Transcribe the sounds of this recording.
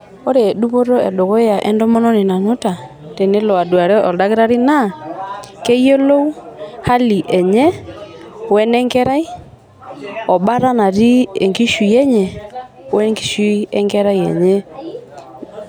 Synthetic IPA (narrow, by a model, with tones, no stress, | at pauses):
ɔ˦ɾe˨ɗu˦βo˦ɾɔ˦ɛ̰˨do˨ɣɔ˦ja˨ʔɛ˦ndɔ˦mɔ˦nɔ˦ni˨na˨ɲu˦ta˨ | tɛ˨ne˦lɔ˨a˨du˨a˨ɾɛ˦ʔɔ˨da˦ɣe˦ɾa˦ɾi˦na˦˨kɛ˦jɔ˦lo˦u˦ha˦li˨ʔɛ˨ɲɛ˦ | wɛ˦nɛ˦ŋɡɛ˦ɾa˦i˦ | ɔ˨ɓa˦ɾa˦na˨ɾi˦ɛ˨ŋɡi˦ʃu˨ɛ˦ɲɛ˨˦ | wɛ˦ŋɡi˨ʃi˦ɛ˦ŋɡɛ˦ɾa˦i˨ɛ̰˨ɲɛ˦